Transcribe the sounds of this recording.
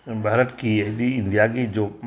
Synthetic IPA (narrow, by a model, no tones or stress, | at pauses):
bʱaːɾəʈkieɦd̪iɪ̃nd̪ijaɡid͡ʒoː